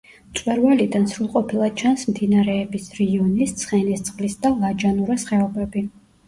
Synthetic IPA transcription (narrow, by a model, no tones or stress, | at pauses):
t̪sʼwɛɾvalid̪ansɾulˠqʼɔpʰilˠḁt͡ʃʰansmd̪inaɾɛːbisɾɛiɔnist̪sʰχɛnist̪sʼqʼlisd̪alˠad͡ʒanuɾasχɛɔbɛbi